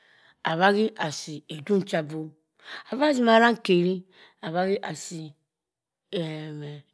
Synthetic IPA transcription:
a˨βa˦ɡi˦ʔa˨si˨e˨du˦n˦t͡ʃa˦bo˦ | a˨va˦zi˦ma˨ɾa˦ŋ˨ke˨ɾi˦ | a˨βa˦ɡi˦ʔa˨si˨ | e˨me˨

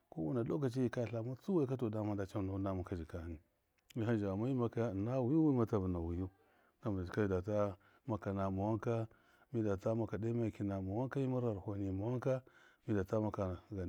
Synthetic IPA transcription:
ko˦wu˦na˨do˦ka˨t͡ʃi˦ji˨ka˦˨ɬa˨mu˦t͡su˦wa˦i˦ka˦to˨da˦ma˦nda˨t͡ʃa˦no˨˦na˦ma˨ka˦d͡ʒi˨ka˦˨ni˨ | mi˦ɦa˦d͡ʒi˨a˨ma˦ji˦ma˦ka˦˨na˦wu˨ju˦wi˦ma˨ta˦vu˨na˨wu˨ju˦ | na˦ma˨d͡ʒka˦i˦˨da˨ta˦ | ma˦ka˨na˨ma˨wa˦ŋka˦ | mi˦da˨ta˦ma˦ka˨da˦ma˦ja˨ki˨na˨ma˨wa˦ŋka˦ji˦ma˦ɾa˨ɾho˨ni˨ma˨wa˦ŋ˦ka˦mi˦da˨ta˦ma˦ka˨ɡa˨

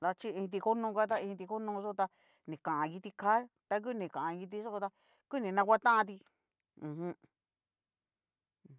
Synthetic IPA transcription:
d̪a˧t͡ʃi˦ĩ˧t̪̬i˧ko˦nũː˧ka˦t̪̬a˦ĩ˧t̪̬i˧ko˦nũ˧so˦˧t̪a˧ | nĩ˨kã˨ʔã˨˧ki˧t̪i˧kʰa˦ | t̪a˧k̬u˦˧nĩ˨kã˨ʔã˨˧ki˧t̪̬i˧so˦o˧t̪a˧ | ku˦nĩ˨˧nã˧kʷa˦t̪ã˦ʔã˧t̪̬i˧ | ũ˨ɦũ˧˦˨

